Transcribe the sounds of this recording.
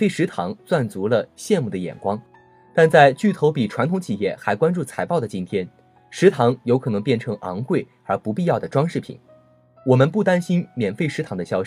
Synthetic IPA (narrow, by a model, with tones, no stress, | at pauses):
fe˥˩ɪʂɻ̩˧˥t̪ʰɑ˧˥ŋt͡swa˥˩nt͡su˧˥lə˧ɕjɛ˥˧nmu˥˩d̪ə˩jɛ̰˨˩nkwɑ˥ŋ | t̪a˥˧nt͡sa˥˧ɪt͡ɕy˥˩t̪ʰo˧˥ʊpi˨˩ʈ͡ʂʰwa˧˥nt̪ʰʊ˧˥ŋt͡ɕʰi˨˩jɛ˥˩xa˧˥ɪkwa˥nʈ͡ʂu˥˩t͡sʰa˧˥ɪpɑ˥˩ʊd̪ə˩t͡ɕi˥nt̪ʰjɛ˥n | ʂɻ̩˧˥t̪ʰɑ˧˥ŋjo˧˥ʊkʰɤ˨˩nɤ˧˥ŋpjɛ˥˩nʈ͡ʂʰɤ˧˥ŋʔɑ̰˧˥ŋkwe˥˩ɪ | ə˞˧˥pu˧˥pi˥˧jɑ˥˩ʊd̪ə˩ʈ͡ʂwɑ˥ŋʂɻ̩˥˩pʰḭ˨˩˦n | wɔ˨˩mə˧˦npu˥˩t̪a˥nɕi˥nmjɛ˨˩nfe˥˩ɪʂɻ̩˧˥t̪ʰɑ˧˥ŋd̪ə˧ɕjɑ˥ʊɕ